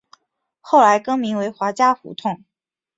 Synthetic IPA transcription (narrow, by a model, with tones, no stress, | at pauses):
xo˥˩ʊla˧˥ɪkɤ˥ŋmi˧˥ŋwe˧˥ɪxwa˧˥t͡ɕja˥fṵ˧˥t̪ʰʊ˥˩ŋ